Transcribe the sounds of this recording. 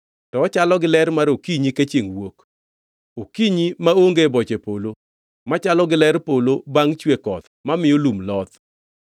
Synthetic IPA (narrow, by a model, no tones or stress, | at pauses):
tɔːt͡ʃalɔɡɪlɛrmaɾokiɲiket͡ʃeŋwok | okiɲimaoŋɡebɔt͡ʃepolo | mat͡ʃalɔɡɪlɛɾpolobaŋt͡ʃwekɔt̪mamɪolumlɔt̪